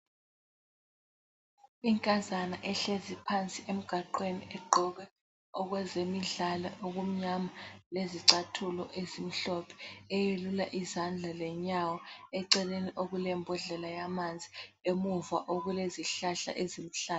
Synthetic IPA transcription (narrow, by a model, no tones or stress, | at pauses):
iŋkʼazanaʔɛɬezipʰant͡sʼiʔem̩ɡ̥ʱaǃweniʔɛɡ͡ǃʱɔɣ̬ɛ | ɔɣwɛzemiɮalaʔoɣum̩ɲamaleziǀatʰulɔ̰ʔezim̩ɬɔpʰɛ̥ɛjelulaʔizand͡ɮʱalɛɲawɔɛǀɛleniʔoɣulɛmbʱɔɮɛlajamand͡zʱiemuvaʔoɣuleziɬaɬa̰ʔezim̩ɬaːl